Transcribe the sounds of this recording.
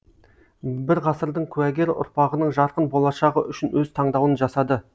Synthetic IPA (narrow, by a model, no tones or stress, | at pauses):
bɪɾʁɑsəɾd̪əɴkʲʰʉæɡʲe̞ɾʔʊ̰ɾpɑʁənəɴʒɑɾqənbo̞lˠɑʃɑʁəʔʏʃɪnwɵzt̪ʰɑɴd̪ɑwənʒɑsɑd̪ə